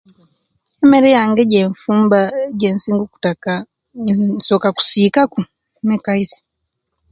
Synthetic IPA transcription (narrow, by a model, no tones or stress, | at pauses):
emeɾejaːŋɡeɟeːɱfuːmbaɟeːnsiːŋɡuku̥taka | so̞ːkaku̥siːkaku | nekaisi̥